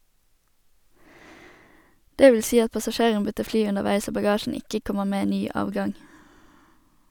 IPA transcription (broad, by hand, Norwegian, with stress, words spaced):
ˈdeː ˈʋl̩ ˈsiː ˈɑt pɑsɑˈʃeːʁən ˈbʏtəʁ ˈflyː ʉnəʁˈʋæɪs ˈoː bɑˈɡɑːʃn̩ ˈɪkə ˈkɔməʁ ˈmeː ˈnyː ˈʔɑːʋɡɑŋ